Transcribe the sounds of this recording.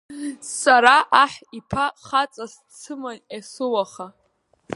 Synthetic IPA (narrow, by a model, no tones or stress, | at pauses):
saɾaʔaħipʰaχat͡sʼas | t͡sʰɨmanasɨwaχa